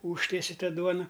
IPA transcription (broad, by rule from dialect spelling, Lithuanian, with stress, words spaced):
ˈuːʃʲtʲiɛsʲɪ ˈtɑː ˈduɔnɐ